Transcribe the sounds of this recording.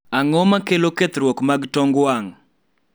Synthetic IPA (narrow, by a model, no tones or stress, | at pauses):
aŋɔmakeloket̪ɾwɔkmaɡtɔŋɡwaŋ